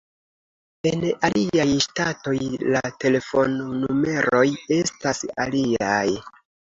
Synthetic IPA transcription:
e̞naliajstato̞jlate̞le̞fo̞nːume̞ɾo̞je̞stasa̰liaj

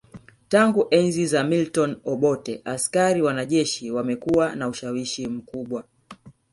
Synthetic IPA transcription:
taŋɡuʔɛnzizamiltɔnɔɓɔtɛʔaskaɾiwanaʄɛʃiwamɛkuwanauʃawiʃim̩kuɓwa

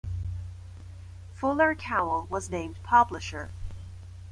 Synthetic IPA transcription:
fʊlˠə˞kʰaʊl̩ˠwʌznẽɪ̃mpʰʌbləʃə˞

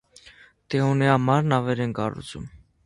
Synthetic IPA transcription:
t̪ɛɔniɑmɑɾnɑvɛɾɛnkɑ̰rṵt͡sʰṵm

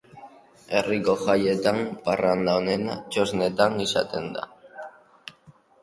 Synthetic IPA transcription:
e̞riko̞ʝaje̞t̪amparand̪aone̞nat͡ʃozne̞t̪anisa̰t̪e̞nd̪a̰

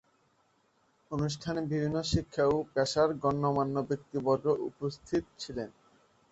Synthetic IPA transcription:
onuʃ̬ʈʰanebibʱinːoʃikʰːaopɛʃaɾɡɔnːomanːobek̚t̪ibɔɾoʔṵpost̪ʰit̪̚t͡ɕʰilen

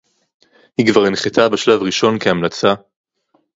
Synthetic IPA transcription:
hiɡvaʁenχet̪ʰabeʃlavʁiʃo̞nkeamlat͡sa

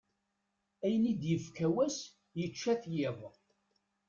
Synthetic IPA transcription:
æjənid̪jəfkæwæs | jət͡ʃːæθjɪðˤ

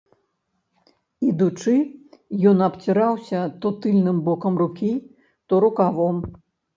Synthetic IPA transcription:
id̪ut͡ʂɨjɔnɐpt͡sʲiɾawsʲɐt̪ɔt̪ɨlʲnɨmbɔkɐmrukʲi | t̪ɔɾukavɔm

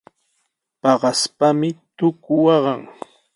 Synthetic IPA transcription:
pɑɢɑspamɪt̪ʊkʊwɑɢɑŋ

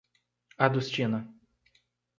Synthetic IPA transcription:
ad̪ust͡ʃĩnɐ

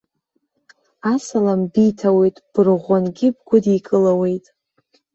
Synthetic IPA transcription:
asalambijtʰawe̞jtʼb̥ɨrʁʷanɡʲɪb̚ɡʷʊdikʼɨlawe̞jtʼ

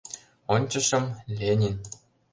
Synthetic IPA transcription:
onʲt͡ɕɤ̆ʃɤ̆mlʲenʲin

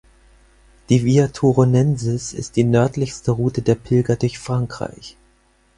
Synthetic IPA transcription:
d̥iːviatʰuʁonɛnzɪsɪ̰st̚d̥iːnœɐtʰlɪçstəʁuːtədeːɐpʰɪlɡɐdʊɐçfʁ̥aŋkʁ̥a̰ɪç

